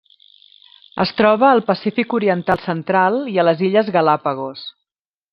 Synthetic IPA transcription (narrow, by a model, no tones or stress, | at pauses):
ə̰st̪ɾɔβəːlˠpəsifikuɾiənt̪alˠsənt̪ɾalˠiələziʎəzɣəlapəɣos